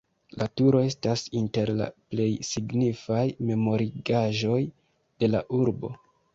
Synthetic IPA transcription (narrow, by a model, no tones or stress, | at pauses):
latuɾo̞e̞stasinte̞ɾla̰ple̞jsiɡnifajme̞mo̞ɾiɡaʒo̞j | d̥e̞laʔuɾbo̞̰